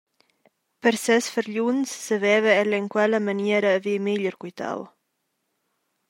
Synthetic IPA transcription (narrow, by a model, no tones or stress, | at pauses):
pəɾsɛsfəɾʎunsːəvɛvəɛlɛŋkwɛləmaniɛɾəːvimiʎəɾkujt̪a̰w